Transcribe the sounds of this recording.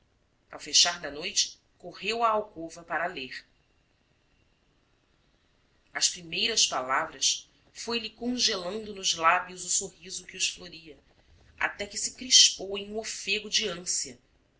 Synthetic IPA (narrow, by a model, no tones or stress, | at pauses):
a̰wfeʃaɾd̪ɐnojt͡ʃɪ̥ | kohewɐːwkovɐpaɾɐleχ | ɐʃpɾimejɾɐʃpalavɾɐs | fojlɪkõʒelɐ̃nd̪ʊnʊzlabjʊzʊsohizʊkɪʊʃfloɾiɐ | a̰t̪ɛkɪsɪkɾiʃpowẽj̃ũofeɡʊd͡ʒɪɐ̃siɐ